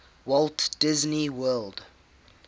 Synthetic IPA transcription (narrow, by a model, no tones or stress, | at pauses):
wɔlˠtd̥ɪzniwɜlˠd